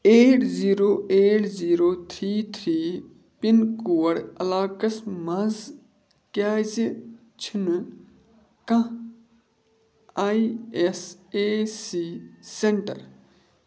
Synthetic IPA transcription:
eːʈziːɾoːʔeːʈziːɾoːt̪ʰɾiːt̪ʰɾiː | pinkuːɐɽɐlaːkɐsmɐz | kaːz | t͡ʃʰin | kã | aiesesiːseɳʈɐ̰ɾ

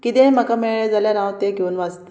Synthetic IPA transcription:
kit̪ẽm̤əkameɭɭad͡zaljanãʋt̪eɡʱeuːnʋad͡zt̪ə

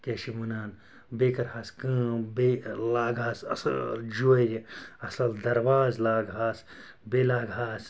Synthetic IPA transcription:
keʃimɨnaːn | beːkɐɾhaːskɨ̃ːbelaːɡaːsɐ̰sɐ̰ld͡ʒuɾʲiɐsɐld̪ɐɾwaːzlaːɡɦaːs | belaːɡɦaːs

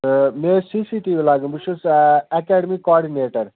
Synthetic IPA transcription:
mesisiʈimelaːɡũbut͡ʃʰusɛkɛːɖəmikɔːɾɖineːʈɐɾ

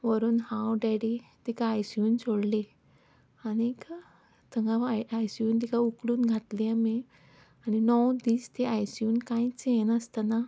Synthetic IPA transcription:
ʋəɾuːnhãwɖaɽit̪ekaːjsjuːnt͡sʰoɽle | anika | t̪əŋɡaʋajajsjuːnt̪ikaukɽuːnɡʱat̪leame | aninɔwd̪iːst̪eajsjuːnkãjt͡senəst̪ana

